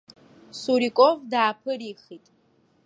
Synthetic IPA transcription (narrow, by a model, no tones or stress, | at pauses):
suɾikʷʼɔvdaːpʰɨɾiːχiːtʼ